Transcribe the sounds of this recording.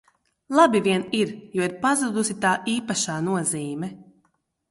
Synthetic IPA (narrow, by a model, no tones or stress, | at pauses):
lˠabiviɛniɾjuɔiɾpazud̪usit̪aːʔiːpaʃaːnuɔziːmɛ